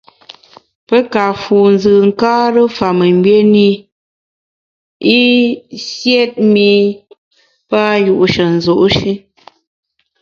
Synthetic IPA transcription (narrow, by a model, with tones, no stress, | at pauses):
pə˦ka˨fu˨n̩˨zɨ˨ŋ̩˨kaː˦ɾə˦fa˨mə˨ŋ˦bɥe˦ni˦ | i˦sje˦t̚mi˦ | pa˦ju˦˨ʔu˦ʃə˨n̩˨zo˨ʔʃi˦